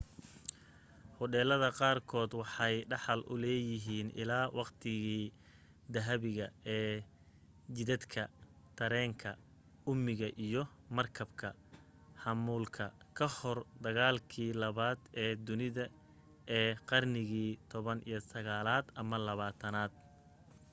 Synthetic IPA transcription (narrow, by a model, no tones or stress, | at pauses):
hʊɖɛːlɐðɐqɑːrkʰɔːd̪wɑħɑjɖɑħɑlʔʊ̰lɛːjɪɦiːnʔɪ̰laːwɑqt̪ʰɪɣiː | d̪ɐɦɐβɪɣɐɛː | t͡ʃɪðɐd̪kʰɐ | t̪ʰɐɾɛːŋkʰɐ | ʊmɪɣɐʔijɞ | mɐrkʰɐbkʰɐ | hɑmuːlkʰɐkʰɐhɔrd̪ɐɣaːlkʰiːlɐβaːd̪ɛːd̪ʊnɪðɐ | ʔɛːqɑrnɪɣiːt̪ʰɔβɐnḭjɞsɐɣaːlaːd̪ɐmɐlɐβaːt̪ʰɐnaːd̪̚